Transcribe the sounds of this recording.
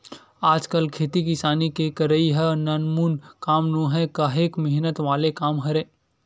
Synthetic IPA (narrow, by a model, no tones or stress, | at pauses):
aːd͡ʒkəlkʰeːt̪ikisaːnikekəɾəiɦənənmuːnkaːmnõɦɛkaɦekməɦnət̪ʋaːlekaːmɦɐɾẽː